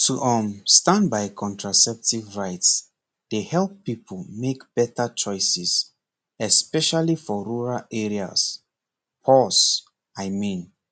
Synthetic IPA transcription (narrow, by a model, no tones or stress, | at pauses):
tʰuʔɔ̃mstãnbajkʰɔ̃ntʰɹasɛp̚tivɹaɪts | d̥ehɛlˠpːipʰəlmekb̥ɛtət͡ʃɔɪsiz | ɛspɛʃalifɔɹuɹalɛɹia̰s | pʰɔs | ajmĩn